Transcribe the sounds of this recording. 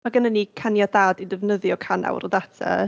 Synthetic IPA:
maɡənənːikʰanjadaːdidɛvnəðjɔkʰana̰wɾɔdatʰɛ̰

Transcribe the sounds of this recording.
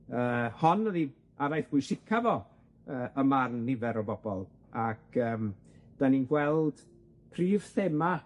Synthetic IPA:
əːhɔnəði | aɾajθɡ̥wʊjsɪkʰavɔ | əːʔəmarnːɪvɛɾɔbɔbɔlˠ | akʰəːm | d̥aninɡwɛlˠd̥ | pʰriːv̥θɛma

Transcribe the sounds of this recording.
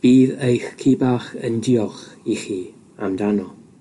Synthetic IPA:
b̥iːðejxkʰiːbaːχə̰ndiɔχiχiː | amdanɔ

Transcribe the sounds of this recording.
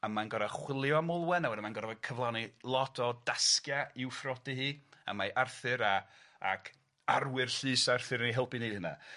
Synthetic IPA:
amanɡɔɾaχwɪlˠjɔamolˠwɛnawɛdəmanɡɔɾavḁkʰəvlˠanilˠɔtʰɔdaskjaɪwfrɔdɨhiːa̰maʔarθɨɾa | a̰kʰ | arwɪrɬɨːsarθɨɾəniɦɛlˠpɨnihəna̰

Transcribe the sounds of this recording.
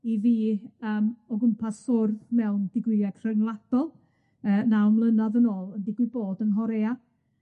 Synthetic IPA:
iviːəːmɔɡʊmpʰasʊrðmɛwnd̥ɪɡwɪaɡr̥ənlˠad̥ɔlˠ | əːnawmlˠənaðənoːlˠəndiɡwɪboːdənɦɔɾea

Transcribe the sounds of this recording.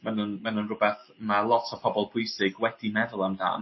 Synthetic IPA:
manənmanənrʊbɛθmalˠɔtʰɔv̥pʰɔbɔlˠpʰʊjsɪɡwɛd̥imɛðʊlˠamda̰ːn

